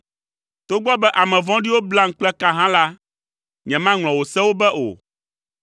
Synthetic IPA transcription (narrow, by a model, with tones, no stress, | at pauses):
t̪o˦ɡ͡bɔ˦bɛ˦ʔa˨mɛ̃˨vɔ̃˦ɖi˦wo˦bla˦ŋ̩˦k͡plɛ˦ka˦ɦã˦la˦ | ɲɛ̃˨mã˦ŋl̃ɔ̃˨wo˨sɛ˦wo˦bɛ˦ʔo̰˨